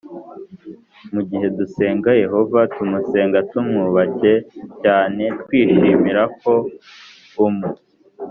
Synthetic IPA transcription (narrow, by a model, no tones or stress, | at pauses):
muɟiɦe̞duse̞ːŋɡaje̞ɦo̞vatumuse̞ːŋɡatumŋuβace̞caːne̞tkwiːʃiːmiɾak̚o̞ | umu